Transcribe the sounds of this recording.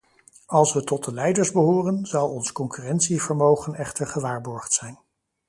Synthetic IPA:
ɑlˠsʋətɔtəlɛjdəɹzbəɦʊːrənzɑwˠɔnskɔŋkyːrɛntsivəɹmowχənɛχtəɹχəʋaːɹbɔɹχtsɛjn

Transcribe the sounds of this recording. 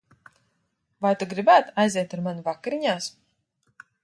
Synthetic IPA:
vajt̪uɡɾibæːt̪ajzɛɛt̪aɾmanuvakɾiɲaːs

